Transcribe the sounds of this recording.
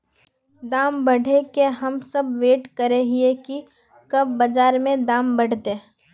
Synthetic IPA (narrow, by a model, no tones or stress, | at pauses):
d̪aːmbɐɽ̤ʱekeɦɐmsɐbʋeːʈkəɾeɦieki | kɐb̚bɐd͡ʒaːɾmẽd̪aːmbɐɽ̤t̪ẽ